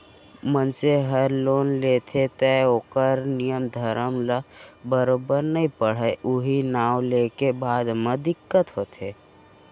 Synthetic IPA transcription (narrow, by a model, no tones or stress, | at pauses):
mənseɦəɾloːnlet̪ʰet̪əoːkəɾnijəmd̪ʱəɾəmləbəɾoːbəɾnəɦĩpəɽ̤əʔʊɦinaːwlekebaːd̪med̪ɪkːət̪ɦoːt̪ʰeː